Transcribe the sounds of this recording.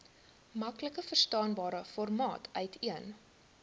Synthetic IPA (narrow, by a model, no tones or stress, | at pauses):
mɐkləkəfərstɑːnbɑːɾəfɔrmɑːtʰœɥtʰiən